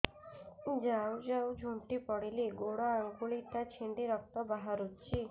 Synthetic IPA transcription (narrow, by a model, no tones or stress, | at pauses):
d͡ʒawd͡ʒawd͡ʒʱuɳʈipɔɽiliɡoɽɔaŋkuɭit̪at͡ʃʰiɳɖiɾɔk̚t̪ɔbaɦaɾut͡ʃʰi